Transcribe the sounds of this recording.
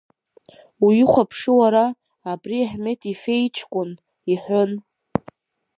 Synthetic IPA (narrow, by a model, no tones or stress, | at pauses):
ujɪχʷapʰʂɨwaɾaː | briaħme̞tʰʼife̞jt͡ʃʰkʷʼʊn | iħʷʊn